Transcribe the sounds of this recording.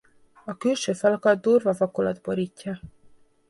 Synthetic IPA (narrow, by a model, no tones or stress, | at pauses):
ɒkylʃøːfɒlɒkɒd̪̚d̪uːrvɒvɒkolɒd̪bo̞ɾiːcːɒ